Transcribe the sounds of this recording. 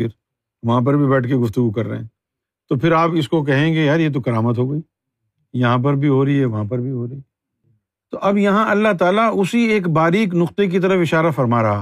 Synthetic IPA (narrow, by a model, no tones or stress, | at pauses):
ɪɾ | ʋɐɦãp̬ɐɾbʱibɛːʈʰkeɡʊft̪ʊɡukɐɾːɐ̰ɦɛ̰̃ː | t̪opʰɪɾaːpɪskok̬ɐɦẽɡejaɾjet̪̬okɐɾaːmət̪ɦoːɡɐiː | jɐɦãp̬ɐɾbʱiɦoːɾɐiɦɛʋɐɦãp̬ɐɾbʱiɦoːɾɐiː | t̪oʔɐbjɐɦãɐlːaɦt̪aːlaʊsieːkbaːɾiːk̬nʊqt̪ek̬it̪̬ɐɾəfɪʃaːɾafɐɾmaːɾɐɦaː